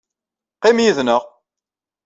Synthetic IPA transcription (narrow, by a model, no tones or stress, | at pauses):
qimjiðnəʁ